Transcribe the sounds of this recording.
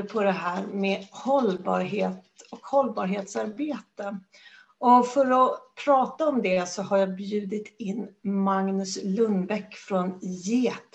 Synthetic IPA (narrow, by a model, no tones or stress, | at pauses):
pʰɔd̪ɛɦæːɾmehɔlbɑ̰ːɾɦeːt̪ɔkhɔlːbɑːɾɦeːt̪saɾbeːt̪ə | ɔfœɾɔpʰɾɑːt̪aɔmd̪ɛsɔhaɾjɑːbjʉ̟ːd̪ɪt̪ɪnːmaŋnɵslɵnbɛkfɾɔnjeːt̪